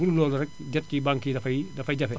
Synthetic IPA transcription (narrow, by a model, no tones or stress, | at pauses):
uɾulɔːlɔɾɛk̚ɟɐt̚kibaŋkidɐfɐjdɐfɐjɟɐfɛ